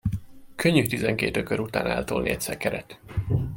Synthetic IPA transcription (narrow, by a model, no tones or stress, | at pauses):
kʰøɲːyt̪izɛŋkeːt̪økøɾut̪a̰ːnɛ̰lt̪oːlnḭɛcsɛkɛɾɛt̪